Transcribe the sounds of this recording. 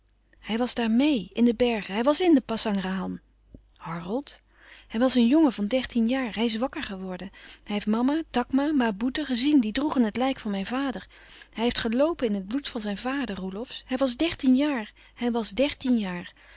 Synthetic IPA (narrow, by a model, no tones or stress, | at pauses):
hɛjʋɑzdaːɹmejɪndəbɛɹχəɦɛjʋɑsɪndəpɑsɑŋraɦɑn | hɔɹnəlˠt | hɛjʋɑsənjoŋəvɑndɛɹtinjaːɹɦɛjɪs̬ʋɑkəɹχəʋɔɹdənɦɛjɦeftmɑmatɑkmamabutəχəzindidruχənɦətlɛjkfɑnmɛjnvaːdəɹ | hɛjɦeftχəlowpənɪnɦəd̚blutfɑnzɛjnvaːdərulɔfshɛjʋɑzdɛɹtinjaːɹ | hɛjʋɑzdɛɹtinjaːɹ